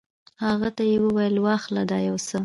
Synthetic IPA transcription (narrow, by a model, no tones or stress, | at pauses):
haɣat̪ajewəwajəlwaxlad̪ɑjawsə